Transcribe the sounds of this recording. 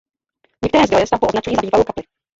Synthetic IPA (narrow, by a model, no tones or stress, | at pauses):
ɲɛkt̪ɛɾɛːzd̪ojɛst̪avbuʔoznat͡ʃɛɲiːnabiːvalowkaplɪ